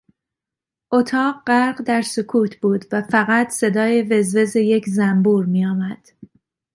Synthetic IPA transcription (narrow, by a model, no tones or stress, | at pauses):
ʔot̪ʰɒːɢɢæɾɢd̪æɾsokʰuːt̪ʰb̥uːd̪væfæɣæt̪ʰse̞d̪ɒːje̞ve̞zve̞zeje̞cʰzæmbuːɾmiːjɒːmæd̪̥